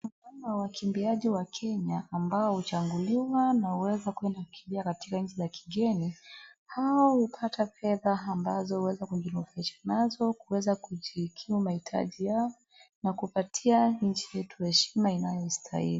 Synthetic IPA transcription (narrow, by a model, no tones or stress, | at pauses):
kamawakʰimbiaʄiwakʰɛɲaːmbaɔhut͡ʃaŋɡuliwanahuwɛzakwɛndaku̥kimbiakatikaɲ̩t͡ʃizakʰi̥ɡɛnihaɔhupʰatafɛðaːmbazɔhuwɛzakuʄilufaiʃḁnazɔkuwɛzakuʄikʰiumahitʰa̰ʄijaɔ | nakupatʰiaɲ̩t͡ʃijɛtu̥hɛʃimainajɔistʰa̰ḭlii